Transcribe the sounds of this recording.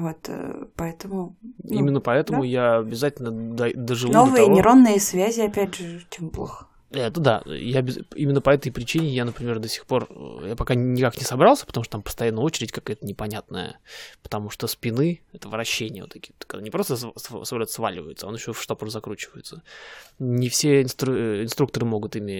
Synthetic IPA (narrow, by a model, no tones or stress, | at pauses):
vo̞t̪pɐɛt̪əmʊimʲɪnːəpɐɛt̪əmʊjaɐbʲɪzatʲɪlʲnəd̪ɐd̪əʐɨlˠnovɨjənʲɪɾonːɨjəsvʲæzʲɪɐpʲædʲʐɨt͡ɕemblˠoxə | ɛt̪əd̪a̰jabʲɪimʲɪnːəpɐɛt̪əjpɾʲɪt͡ɕinʲɪjanəpɾʲɪmʲerd̪osʲɪ̥xpo̞r̰japɐkanʲɪkaknʲɪsɐbɾɑlˠsʲə̥pət̪ɐmuʂt̪t̪ampə̥st̪ɐjanːəjəot͡ɕɪɾʲɪtʲkɐkajət̪ənʲɪpɐnʲat̪nə̰jə̰pə̥t̪ɐmuʂt̪ospʲɪnɨɛt̪əvəɾɐɕːenʲɪjə̰vo̰t̪ɐkʲit̪kːɡd̪anʲɪpɾo̞st̪əssslʲot̪sva̰lʲɪvə̰jɪt̪səa̰nɪɕːofʂt̪opəɾzɐkɾut͡ɕɪvəjɪt̪sə | nʲɪfsʲeɪnst̪uɪnst̪ɾuk̚t̪əɾɨmo̞ɡʊt̪ɪmʲɪ